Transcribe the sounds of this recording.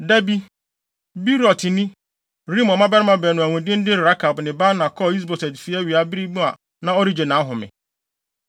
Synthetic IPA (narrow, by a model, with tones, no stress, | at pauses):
dæ˦bi˦ | bi˦ɾɔ˨tʰɪ˨nĩ˦ | ɾĩ˦mɔ˨mã˦bɛ˦ɾɪ˦mã˦bɛ˨nʊ̃˨æ˨wũ˨dɪ̃˦n̩˦dɪ˦ɾa˦kʰa˨bnɪ̃˨ba˦nã˨kʰɔ˦i˦s̬bɔ˨sɛ˨tfi˨˦a˦ɥi˨a˦bɪ˦ɾi˦mũ˦a˨ | nã˦ɔ˦ɾi˦d͡ʑɛ˨nã˨˦ɦʊ̃˨mɪ̰̃˨